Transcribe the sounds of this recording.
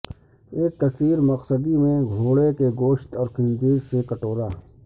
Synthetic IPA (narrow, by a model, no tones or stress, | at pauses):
eːk̚t̪ɐsiːɾmɐqsəd̪imẽɡʱoːɽekeɡoːʃt̪ɔːɾkɪ̃nd͡ʒiːɾsekɐʈoːɾaː